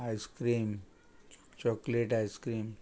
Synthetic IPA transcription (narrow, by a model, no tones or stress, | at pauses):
ajskɾiːm | t͡ɕɔkleʈajskɾiːm